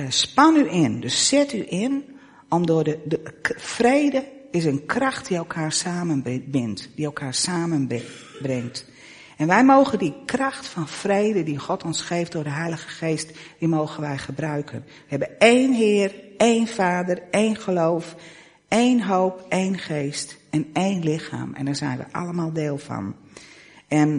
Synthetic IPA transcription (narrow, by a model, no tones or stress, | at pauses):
spɑnyʔɪndøssɪtyʔɪn | ɔmdʊːdə | frejdəɪs̬ənkrɑxt̚diɛlˠkʰaːrsaːmənbɪntd̥iɛlˠkʰaːrsaːmən | brɪŋt | ɛnʋɛjmoːɣəndikrɑxtfɑnfrejdədixɔtɔnsxejftdʊːrdəɦɛjləɣəxeːstd̥imoːɣənʋɛjχəbrœɥkʰən | ʋəɦɛbəneːnɦɪːəreːnfaːdəreːnχəlowf | eːnɦoːpejnχeːst | ɛnejnlɪxa̰ːmɛ̰ndaːɹzɛ̰jnʋə̰ʔɑ̰ləmaːlˠdeːlˠfɑ̰n | ɛn